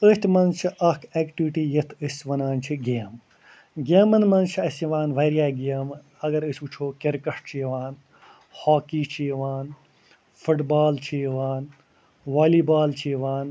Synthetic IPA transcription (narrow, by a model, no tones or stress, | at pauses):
əʃt̪ʲmɐnt͡ʃʰiʔɐkʰeːkʈiʋiʈiːjɐt̪ʰɨsʋɐnaːnt͡ʃʰiɡeːm | ɡeːmɐnmɐnt͡ʃʰiɐsʋaːnʋɐɾjaːɡeːm | ɐɡɐɾɨsʲut͡ʃʰoːkeɾkɐʂʈ̚t͡ʃʰiʋaːn | hoːkiːt͡ʃʰiːʋaːn | fʰuʈbaːlt͡ʃʰiʋaːn | ʋaːliːbaːlt͡ʃʰiːʋaːn